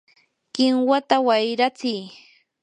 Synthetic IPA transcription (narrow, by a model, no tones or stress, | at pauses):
kɪŋwat̪awajɾat͡sɪj